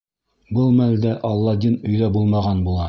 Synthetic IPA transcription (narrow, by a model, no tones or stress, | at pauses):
bɤlˠmæld̪æʔɑlˠːɑd̪inɵ̆jðæbulˠmɑʁɑnbulˠɑ